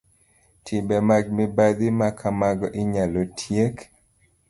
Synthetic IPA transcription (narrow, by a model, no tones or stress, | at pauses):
tʰibɛmaɡ̚mɛbad̪imakʰamaɡɔʔiɲalotʰjek